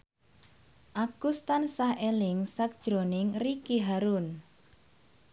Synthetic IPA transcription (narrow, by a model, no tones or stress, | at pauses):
ʔaɡ̥ust̪ansahʔelɪŋsak̚d̥ʒ̥ɾo̤nɪŋrikiɦaɾun